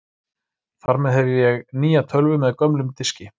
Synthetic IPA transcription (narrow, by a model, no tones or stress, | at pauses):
θaɾmɛðɦɛvɪjɛɣniːjat̪ʰœlvʏmɛðkœmlʏmt̪ɪscɪ